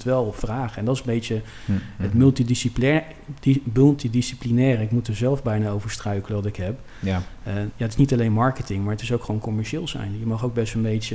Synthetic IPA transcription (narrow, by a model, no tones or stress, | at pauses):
tʋɛlˠɔpfraːχəɛndɑtɪsənbejtə | ɦətmɵlˠtidisip | mɵlˠtidisiplinɛːrəɪkmutəzɛlˠvbɛjnaːowvəɹstrœɥkələʋɑtɪkɦɛpː | jaətɪsnitɑlejnmɑɹkətɪŋmaːɹətɪsowkχʋownkɔmɛɹʃɪːlˠzɛ̰jnjəmɑχowɡ̚bɛstənbejtə